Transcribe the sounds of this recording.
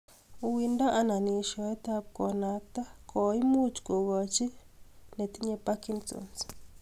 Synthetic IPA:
u˨wi˨nda˦ʔa˦na˨ni˨ʃɔ˨ɛ˦t̪a˦p̚kɔ˨na˦k̚t̪a˦kʰɔ˨i˦mu˦t͡ʃko˨ɣɔ˨t͡ʃi˦ne˨t̪i˦ɲɛ˦pa˦ki˦ntɔ̰˨ns

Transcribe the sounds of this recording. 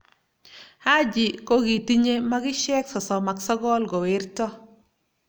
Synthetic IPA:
ha˦d͡ʒɪ˨ko˦ki˨ti˦ɲe˦ma˦ɡɪ˦ʃɛ˦ksɔ˨sɔ˨ma˨ksɔ˦ɡɔ˦lɡɔ˨wɪ˦rtɔ˦

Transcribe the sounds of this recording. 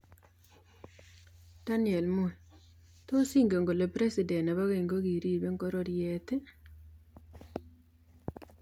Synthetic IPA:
d̥a˦nɪ˨ɛ˨lmo˨ | t̪o˦si˦ŋɡe˨ŋɡo˨le˨pɾe˦sɪ˨dɛ˨na˨βa˦ɣe˨ŋɡo˦ɡi˨ɾi˦be˦ŋɡo˦ɾɔ˦ɾje˦t̪e˦

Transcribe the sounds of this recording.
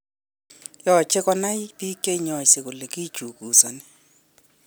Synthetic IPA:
jɔ˨t͡ʃʰɛ˦kɔ˦na˦i˦pʼi˦kʼe˦i˦ɲɔ˨i˨se˨kʊ˨le˨ki̥˦ʒ̥ʱu˨ku˨sa˨nɛ

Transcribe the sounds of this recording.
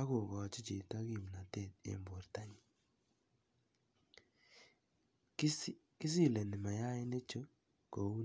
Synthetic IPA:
a˦ɣo˨ɣɔː˨t͡ʃi˦t͡ʃe˨ta˦ɣi˨m˨na˨te˦˨dḛ˨mbo˨ɾta˦ɲi˨˦ | ki˦s̬i˦˨le˨nɪ˨ma˨ja˦e˦ne˦t͡ʃo˦ | ko˨u˦

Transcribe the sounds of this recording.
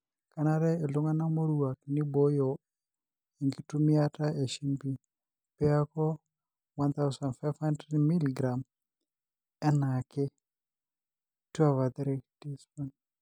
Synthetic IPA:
ka˦na˦ɾɛ˦e˨lʊ˦ŋa˦na˦mo˦ɾu˨wa˨knɪ˦bo˨˦jɔ˨ | i˨ŋɡi˨tu˦mi˦a˦ta˦e˨ʃi˦mbi˦ | pe˦a˦kɔ˦ | wa˦nt̪a˦wsa˨ndfa˦jvha˦ndɾɛdmi˦liɡɾa˨m | ɛ˦na˨kɪ˦ | tu˦a˨va˨d̪ɾɛ˦d̥i˦spɔ˦n

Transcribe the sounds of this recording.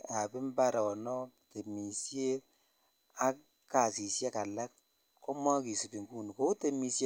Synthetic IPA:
a˨bi˦m̩˦ba˦ɾa˨wɔ˨nɔ˦te˨mi˨sje˦ | a˦ | ka˨si˨se˦ka˨la˦k̚ | kɔ˦ma˦ki˨si˨bi˨ŋku˦ni˨ko˦te˨mi˨sje˦

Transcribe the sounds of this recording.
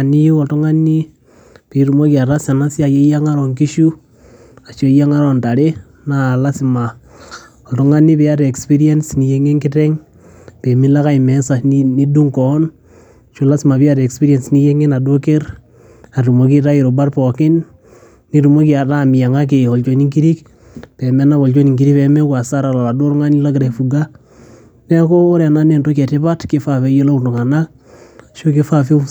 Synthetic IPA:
a˨ni˦ju˦ɔ˨tɔ˦ŋa˦ni˦ | pi˨˦ɾu˨mo˦ki˨a˨ɾa˦sa˨na˦si˦a˨je˦ja˦ŋa˦ɾɔ˨ŋki˦ʃu˦ | a˨ʃo˦ja˦ŋa˦ɾɔ˨nta˨ɾe˦ | na˨la˦sɪ˨ma˨ | ɔ˨tɔ˦ŋa˦ni˦pɛ˦a˦ɾɛ˨kspi˦ɾiɛ˦nsni˨je˦ŋe˦ŋkɪ˦tɛ˦ŋ | pe˨mi˦la˦ka˦ɪ˨mɛ˨˦sa˨ni˦du˦ŋkɔ˨˦n˨ | ʃo˦la˦sɪ˨ma˨pi˦a˦ɾkspi˦ɾiɛ˨nsni˦je˦ŋe˦na˨do˦ke˦ɾ | a˨tu˨mo˦ki˦ta˦ji˨ɾo˨ba˦ɾpo˨kɪ˦nː | i˦ɾu˨mo˦ki˨a˨tami˨ja˨ŋa˦k̬i˨ɔ˨lt͡ʃo˨ni˦ŋki˦ɾi˦k | pe˨me˦na˦βɔ˨lt͡ʃo˦ni˨ŋki˦ɾi˦peme˦ka˨sa˦ɾa˨lo˨la˨du˦ɾŋa˦ni˦la˦ɡɾe˨fuɡa˦ | ne˦koː˦ɾe˨na˦ne˨nto˦ke˨tɪ˦ba˦tkɪ˦fa˨fe˦je˦lo˦˨ndu˨ŋa˨na˦ | ʃu˦ki˦fafi˦

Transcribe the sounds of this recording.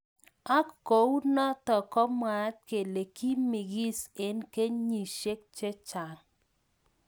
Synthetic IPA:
a˦kko˨˦wnɔ˦t̪ɔ˨kɔ˦mwa˨˦t̪̚ke˨le˨ki˦mi˨ɡi˦se˨˦nke˦ɲi˨ʃe˦k̚t͡ʃe˦t͡ʃa˨ŋ

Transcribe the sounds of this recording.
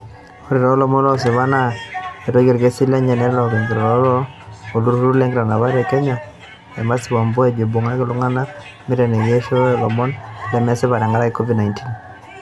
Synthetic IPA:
o˦ɾe˨ɾɔ˨˦lɔ˨mɔ˦lɔ˦sɪ˨βa˦na˦e˨tɔ˦ɡe˦˨ɾke˦si˦lɛ˦ɲɛ˨nɛ˦ɾlɔ˨ke˨ŋɡi˨ɾɔ˨ɾɔ˨˦lɔ˦o˨lu˦ɾu˦ɾu˦lɛ˦ŋɡɪɾa˨na˨βa˦ɾɛ˨kɛ˦ɲa˨ | ɛ̰˨ma˦sɪ˨βa˨mbɔ˦ɛ˨d͡ʒe˨bo˨ŋa˦kɪ˨lʊ˦ŋa˦na˦ | mɪ˦ɾɛ˨ne˨ɣe˦ʃɔ˦lɔ˨mɔ˦nlɛ˨˦mɛ˦se˦βa˨ɾɛ˨ŋɡa˦ɾa˦ke˦kɔ˦vi˦dna˨jntʰi˦n

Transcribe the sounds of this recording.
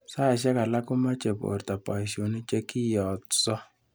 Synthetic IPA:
sa˦˨ʃɛ˦ka˨la˦kʊ˦ma˦t͡ʃe˨po̰˨ɾta˨pa˨i˨sjo˨ni˦t͡ʃe˦ki˦jɔ˨tsɔ˦

